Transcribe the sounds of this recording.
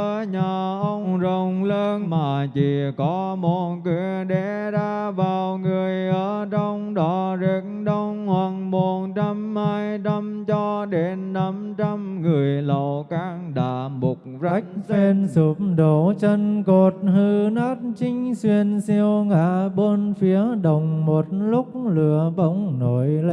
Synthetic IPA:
ə˨˧˦ɲaː˨˩ʔə˧wŋ͡mzə˨˩wŋ͡mŋ͡mləː˧nmaː˨˩t͡ɕi˧˨˩kɔ˨˦mo˨˩kɨ˨˩˨ə | ɗɛ˨˧˦ | zaː˧ | vaː˨˩wŋɨ˨˩əjʔəː˧˦t͡ɕɔ˧wŋ͡mɗɔ˨˩zi˨˦kŋɗɔ˧wŋ͡mhwa˨˩ŋmo˨˩nt͡ɕa˧mhaː˧jna˧mt͡ɕɔ˧ɗe˨˦nːa˧˥mt͡ɕɔ˧mŋɨ˨˩əjlə˨˩wkaː˨˧˦ŋɗaː˧˩˨mʊ˨˩k͡p̚zə˦˥k̚e˧nsu˧˦mɗo˨˦t͡ɕə˧nko˨˩t̚hɨ˧naː˦˥t̚t͡ɕï˧˦ŋ̟swi˧ənsi˧əwŋaː˧˩ɓo˧nfi˨˦əɗə˨˩wŋ͡mmo˨˩t̚lʊ˦˥k͡p̚lɨ˨˩əɓə˧wŋ͡mno˨˩˦jl

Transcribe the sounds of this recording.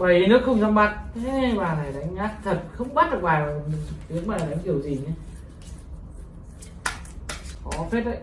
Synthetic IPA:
ɓəː˧˩ji˨˦nɨ˦˥ək̚xə˧wŋ͡mza˧wŋ͡mɓa˨˧˩t̚tʰe˨˦ɓaː˨˩na˨˩jɗa˨˦jŋ̟ɣaː˦˥k̚t̪ʰə˨˩t̚xə˧wŋ͡mɓa˦˥t̚ɗɨ˨˩k̚ɓaː˨˩˨t̪i˨˦əŋ̚mɓaː˨˩a˨˩ɗa˨˦ŋ̟ki˧˩əwzi˨˩ɲaː˨˧˦ | kɔ˨˦fe˦˥t̚ə̰˧˨

